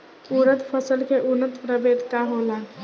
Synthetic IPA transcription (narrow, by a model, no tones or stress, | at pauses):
uɾət̪pʰəsəlkeʔunːət̪pɾəbed̪ʱt̪aɦola